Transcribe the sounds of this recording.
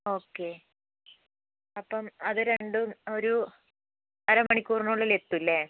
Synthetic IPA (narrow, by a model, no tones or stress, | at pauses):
o̞ːkːe̞ | ɐpːɐmɐðɨɾe̞ɳɖuo̞ɾu | t̪ɐɾɐmɐɳikʲːuːrnuɭːile̞t̪ːulːe